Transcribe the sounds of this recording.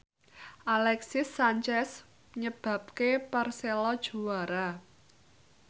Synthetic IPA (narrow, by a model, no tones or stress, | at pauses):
ʔalɛksɪsːaɲt͡ʃɛs | ɲəb̥ä̤p̚keparselɔd̥ʒ̥ṳwaɾa